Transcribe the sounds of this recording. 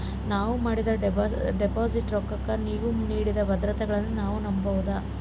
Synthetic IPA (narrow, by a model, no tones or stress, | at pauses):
naːʋumaːɽid̪ɐɖepaːsiʈɾɔkːɐkːɐniːʋuniːɽid̪ɐbɐd̪ɾɐt̪ɐɡɐɭɐnːunaːʋunɐmbɐʋud̪ɐ